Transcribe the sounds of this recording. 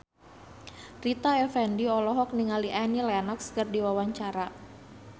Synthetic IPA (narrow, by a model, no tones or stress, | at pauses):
rit̪aɛfɛndiɔlɔɦɔk̚niŋaliʔanilɛnɔkskərdiwawaɲt͡ʃaɾa